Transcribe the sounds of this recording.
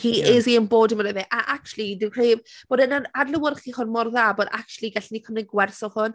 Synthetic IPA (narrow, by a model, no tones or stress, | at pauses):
hieziənboːdəmanɛðɛʔaʔak̚t͡ʃulˠidɪkʰr̥eːvb̥oːdənanarləwərχiːhɔnmɔrðaboːda̰k̚t͡ʃulˠiɡaɬnikʰəmlɪɡwɛrsɔhʊn